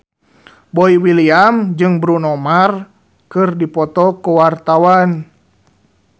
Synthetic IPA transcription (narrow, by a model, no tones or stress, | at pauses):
bɔiwiliamd͡ʒɨŋbɾunɔmar | kɨrdipɔt̪ɔkuwart̪awan